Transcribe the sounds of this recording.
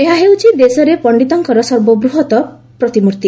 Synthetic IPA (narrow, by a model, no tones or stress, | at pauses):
eɦaɦewt͡ʃʰid̪esɔɾepɔɳɖit̪ɔŋkɔɾɔsɔɾbɔbɾuɦɔt̪ɔ | pɾɔt̪imuɾt̪i